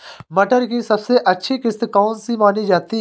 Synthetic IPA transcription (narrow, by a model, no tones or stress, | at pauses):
mɐʈəɾkisɐbseʔɐtːʃʰikɪst̪kɔːnsimaːnid͡ʒaːt̪i